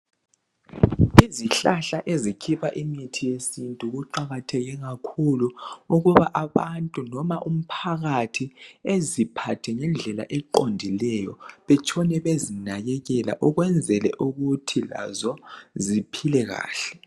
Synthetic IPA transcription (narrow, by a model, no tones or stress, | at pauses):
iziɬaɬaʔezikʰiβaʔimitʰijesintʼuɣuǃaɣatʰɛɣɛɣakʰuluuɣuβaʔaβantʼunɔmaʔum̩pʰaɣatʰiezipʰatʰɛŋɛnd͡ɮʱɛla̰ʔɛǃondʱilɛjɔβɛt͡ʃʰʼɔnɛβezinaɣɛɣɛla̰ʔɔɣwɛnd͡zʱɛlɛ̰ʔuɣutʰila̰zɔzipʰilɛɣa̰ːɬɛ̥